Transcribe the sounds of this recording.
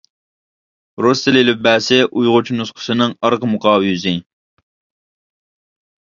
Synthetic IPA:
ɾost̪ɪlɪlɪp̚bɛːsɪʔujʁʊt͡ʃʰnusqʰə̥sɨnɨŋɑɾqəmuqʰɑːwɨjyzɪ

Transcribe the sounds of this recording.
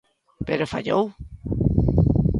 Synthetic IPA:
peɾofa̰ʎo̰w

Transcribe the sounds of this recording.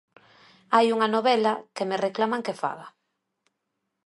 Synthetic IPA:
ajuŋanoβɛlakemereklamaŋkefa̰ɣa

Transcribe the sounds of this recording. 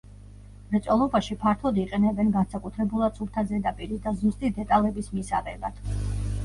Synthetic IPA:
mɾɛt̪sʼɔlˠɔbaʃipʰaɾt̪ʰɔd̪iqʼɛnɛbɛnɡansakʼut̪ʰɾɛbulˠad̪sʰulˠt̪ʰazɛd̪apʼiɾid̪azust̪ʼid̪ɛt̪ʼalɛbismisa̰ʁɛlad̪̥

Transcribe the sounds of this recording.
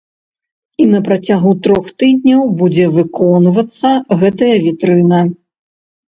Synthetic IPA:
inɐpɾat͡sʲaɣut̪ɾɔxt̪ɨd̪ʲnʲɐwbud͡zʲɛvɨkɔnvɐt̪sːɐɣɛt̪ɐjɐvʲit̪ɾɨnɐ

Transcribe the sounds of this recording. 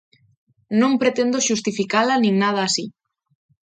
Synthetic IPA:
nõŋpɾet̪end̪oʃust̪ifikalanĩŋnað̞ɐːsi

